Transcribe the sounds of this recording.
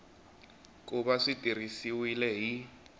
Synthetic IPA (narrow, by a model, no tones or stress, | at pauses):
k̬ʼuɓaʂitʼir̤isiwilɛɦi